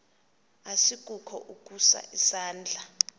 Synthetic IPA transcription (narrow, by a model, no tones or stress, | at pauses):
asikʼukʰɔ̰ʔukʼusa̰ʔisaːnd͡ɮʱa